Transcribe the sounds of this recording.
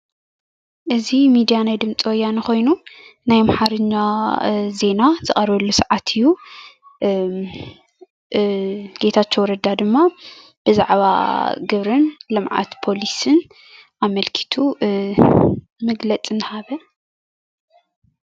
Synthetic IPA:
ʔɨzimid̪ijanajd̪ɨmt͡sʼiwɔjːanixo̞jnunajmaħaɾɨɲːaze̞nazɨχʼɐɾβɐlːusaʕat̪ʰɨjːu | ɡ̥e̞t̪ʰat͡ʃːowɾɐd̪ad̪ɨmːa | b̥ɨzaʕβa̰ɡɨβɾɨnlɨmʕa̰t̪pʰo̞lisɨn | ʔamɐlkʰi̥t̪ʰu | mɨɡlɐt͡sʼɨnɨhaβɐ

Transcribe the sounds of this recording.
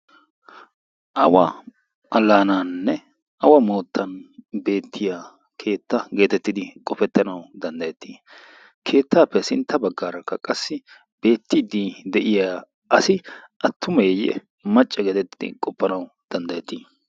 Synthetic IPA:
ʔɐwɐ̰ | ʔɐlːaːnaːnːɛ | ʔɐwɐmo̞ːt̪ːɐnbe̞ːt̪ʰːɪja | kʰe̞ːt̪ːɐɡe̞ːt̪ɛt̪ːɪd̪ɪkʼɔfɛt̪ːɐnɐwd̪ɐnd̪ɐjɛt̪ːiː | kʰe̞ːt̪ːaːpːɛsɪnt̪ːɐbɐɡːaːɾɐkːɐkʼɐsːɪ | b̥e̞ːt̪ːɪd̪id̪ɛʔɪjaː | ɐsɪ | ʔɐt̪ːʊmɐjjɛ̰ | mɐt͡ʃʼːɛɡe̞ːt̪ɛt̪ːɪd̪ɪ̰kʼɔpːɐnɐw | d̪̥ɐnd̪ɐjɛt̪ːiː

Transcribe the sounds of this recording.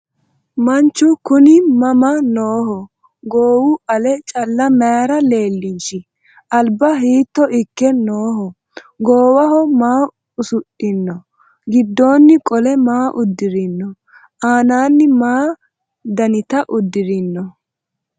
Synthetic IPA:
mɐnt͡ʃːʊkʊnɪmɐmɐnoːhɔ | ɡoːwʊʔɐlɛt͡ʃʼɐlːɐmɛaɾɐle̞ːlːɪʃɪ | ʔɐlbɐɦiːt̪ːɔʔɪkːɛnoːɦɔ | ɡoːwɐɦɔmaː | ʊsʊʔːɪnːɔ | ɡɪd̪ːo̞ːnːɪkʼɔlɛmaːʔʊd̪ːɪɾɪnːɔ | ʔaːnaːnːɪmaː | d̪ɐnɪt̪ɐʔʊd̪ːɪɾɪnːɔ

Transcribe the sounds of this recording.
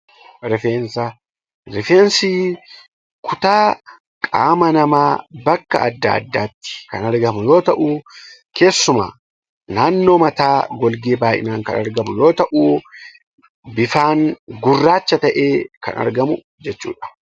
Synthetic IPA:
ɾɪfeːnsɐ | ɾɪfe̞ːnsiː | kʰʊt̪aː | kʼa̰ːmɐnɐmaːbɐkːɐ̰ɐ̰d̪ːa̰ːɐ̰d̪ːaːt̪ːɪ̥kɐ̰nɐɾɡɐmʊjo̞ːt̪ɐʔuːkʰe̞ːsːʊma̰ː | naːnːo̞ːmɐt̪aːɡɔlɡeːbaːʔɪ̰naːŋkɐ̰nɐɾɡɐmʊjo̞ːt̪ɐʔuː | bɪfaːŋɡʊrːaːt͡ʃːɐt̪ɐʔe̞ːkɐ̰nɐ̰ɾɡɐmʊ | d͡ʒɛt͡ʃːṵːᶑɐ̥

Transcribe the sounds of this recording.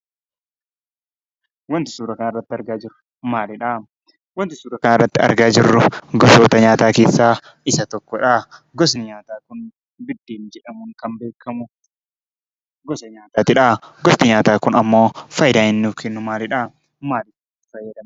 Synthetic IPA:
wɐnt̪ɪ̥suːɾɐkɐnrːɐt̪ːɪɐɾɡaːd͡ʒɪɾʊ̥ | maːlɪᶑa | wɐnt̪ɪsuːɾɐkɐnɪrːɐt̪ːɪɐ̰ɾɡaːd͡ʒɪrːʊɡɔsoːt̪ɐɲaːt̪aːke̞ːsːaː | ɪsɐt̪ɔkːɔᶑaɡɔsnɪɲaːt̪aːkʊn | bɪd̪ːeːnd͡ʒɛᶑɐmʊŋkɐmbe̞ːkʰːɐmʊ | ɡɔsɐɲaːt̪aːt̪ɪᶑaɡɔsnɪɲaːt̪aːkʊnɐmːo̞ːfɐjd̪aːɪnːufkʰɛnːʊmaːlɪᶑaː | maːlɪs | t̪ːɪfɐjːɐd̪ɐm

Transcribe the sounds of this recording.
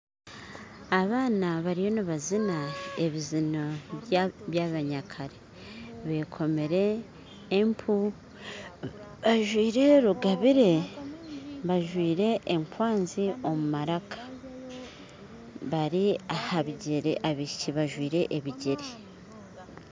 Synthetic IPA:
aβaːnaβaɾijo̞niβazinaeβizinoββjaβaɲakʰaɾe | βe̞ːkʰo̞meɾe̞ː | mpʰu | βaʒwiːɾe̞ɾuɡaβiɾe̞ | βaʒwiːɾe̞ʔːŋkwaːnzio̞mumaɾakʰḁ | βaɾiahaβiɟeɾeʔaβiciβaʒwiːɾe̞ʔeβiɟeɾe

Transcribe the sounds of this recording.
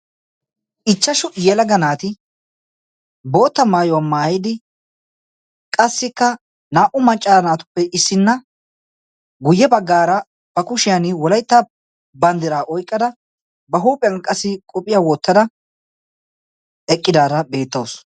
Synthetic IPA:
ɪt͡ʃːɐʃʊjɛlɐɡɐnaːt̪ɪ | bo̞ːt̪ːɐmaːjɔwamːaːjɪd̪ɪ | kʼɐsːɪkːɐ | naːʔʊmɐt͡ʃʼːaːɐnaːt̪ʊ̥pːɛʔɪsːɪnːɐ | ɡʊjːɛbɐɡːaːɾɐ | b̥ɐkʊʃɪjɐnɪwɔlɐjt̪ːɐ | bɐnd̪ɪɾaːʔɔjkʼːɐd̪ɐ | bɐɦuːpʼɪɐnkʼɐsɪkʼɔpʼɪjaːwɔt̪ːɐd̪ɐ | ɛkʼːɪd̪aːɾɐbe̞ːt̪ːɐws

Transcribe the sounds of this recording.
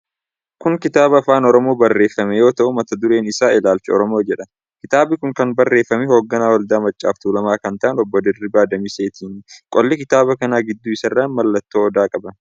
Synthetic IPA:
kʊŋkɪt̪aːbɐːfaːnɔɾɔmo̞ːbɐrːeːfːɐmɛjo̞ːt̪ɐʔʊmɐt̪ɐd̪ʊɾe̞ːnɪsaːɪlaːlt͡ʃɐɔ̰ɾɔmo̞ːd͡ʒɛᶑɐ | kɪt̪aːbɪkʊŋkɐnbɐrːe̞ːfːɐmɪho̞ːɡːɐnaːwɐld̪aːmɐt͡ʃʼːaːft̪uːlɐmaːkɐnt̪ɐʔɐnɔbːɔd̪ɪrːɪbaːd̪ɐmiːse̞ːt̪ʰiːnkʼɔlːɪkɪt̪aːbɐkɐnaːɡɪd̪ːuɪsɐrːɐnmɐlːɐt̪ːoːɔd̪aːkʼɐbɐn

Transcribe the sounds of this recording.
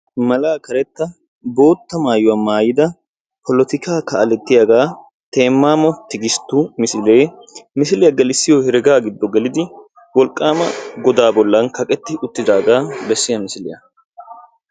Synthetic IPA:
mɐlaːkɐɾɛt̪ːɐ | bo̞ːt̪ːɐmaːjʊwɐmaːjɪd̪ɐ | pʰɔlɔt̪ɪkaːkɐɐlɛt̪ːɪjaɡaː | t̪e̞ːmːaːmɔt̪ɪɡɪst̪ːumɪsɪleːmɪsɪlɪjɐɡɐlɪsːɪjɔhɛɾɛɡaːɡɪd̪ːɔɡɛlɪd̪ɪ | wɔlkʼːaːmɐɡɔd̪aːbɔlːɐnkɐkʼɛt̪ːɪʔʊt̪ːɪd̪aːɡaːbɛsːɪjɐmɪsɪlɪ̰jɐ̰

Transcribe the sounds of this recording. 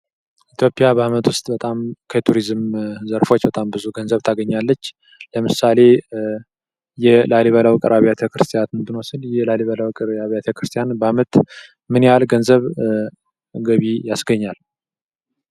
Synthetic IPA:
ʔit̪ʰjo̞pʼjabəamət̪wʊst̪ʼbət̪ʼamkʰət̪ʰuɾizɨmzəɾfo̞t͡ʃːbət̪ʼambɨzuɡənzəβt̪ʰaɡəɲːalːət͡ʃː | ləmɨsale̞ | jɛlaliβəlawkʼɨɾʔaβijat̪ʰekɾɨst̪ʰijat̪ɨnd̪ɨnosɨljɛlaliβələwkʼɨɾaβjat̪ʰekɾɨst̪ʰijanbəamət̪ | mɨnjjalɡənzəβ | ɡəβijasɡəɲːal

